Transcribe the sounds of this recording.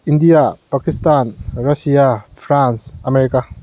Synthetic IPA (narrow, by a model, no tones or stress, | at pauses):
indijapakistanɾɐsijapʰɾansɐmeɾika